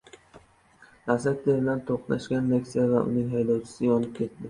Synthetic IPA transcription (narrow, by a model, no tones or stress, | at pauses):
lasat̪̚d̪eɾɪlant̪ʰoqnaʃkʲanle̞kʲsijavaʔʊ̰nɪŋɦajd̪ɒwt͡ʃʰɪ̥sɪɒnɪp̚kʲʰe̞t̪d̪ɪ